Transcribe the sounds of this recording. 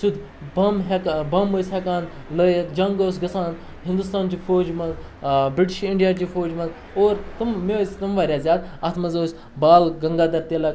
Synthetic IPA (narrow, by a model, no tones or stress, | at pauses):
sud̪ | bɐmɦekbɐmːoːsʲɦekaːn | ləjt̪d͡ʒɐŋɡoːsɡɐsaːn | ɦĩnd̪ust̪aːnt͡ʃifʰoːd͡ʒmɐz | bɾiʈiʃiɳɖijaːt͡ʃifʰoːd͡ʒmɐz | oːɾt̪ɨmmesʲt̪ɐmʋaːɾʲjaːzʲjaːd̪ɐt̪ʰmɐzoːsʲ | baːlɡɐŋɡaːd̪ɐɾt̪eːlɐk